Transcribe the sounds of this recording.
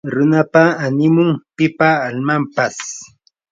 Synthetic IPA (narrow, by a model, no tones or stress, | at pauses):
ɾʊnapaːnɪmʊŋpɪpaːlmampas